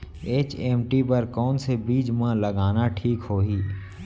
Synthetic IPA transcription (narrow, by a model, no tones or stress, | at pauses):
eːt͡ʃeːmʈipəɾkɔːnsebiːd͡ʒmãlɐɡaːnaʈʰiːkɦoːɦiː